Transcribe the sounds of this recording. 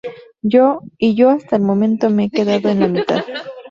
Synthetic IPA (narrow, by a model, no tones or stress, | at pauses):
joiʝo̞ast̪aelmo̞mẽ̞nt̪o̞meeke̞ðaðoenlamit̪a̰ð